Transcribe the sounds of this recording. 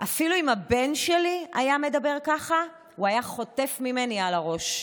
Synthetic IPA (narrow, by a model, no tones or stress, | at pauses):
ʔafiluimabe̞nʃelia̰jame̞dabe̞ʁkaχa | uajaχo̞te̞fmime̞nialaʁo̞ʃ